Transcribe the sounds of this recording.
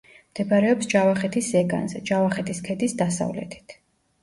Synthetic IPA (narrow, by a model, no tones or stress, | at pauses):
md̪̥ɛbaɾɛɔpsd͡ʒavaχɛt̪ʰisɛɡa̰nzɛd͡ʒavaχɛt̪ʰiskʰɛd̪isd̪asa̰vlɛ̰t̪ʰi̥t̪ʰ